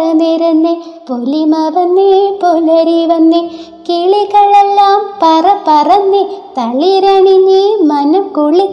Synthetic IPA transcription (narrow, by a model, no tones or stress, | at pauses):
ɐneɾunːepolimɐʋɐnːepolɐɾiʋɐnːe | kiɭiɣɐɭelːaːmpɐrɐpɐrɐnːit̪ɐɭiɾɐɳiɲːimɐnukuɭi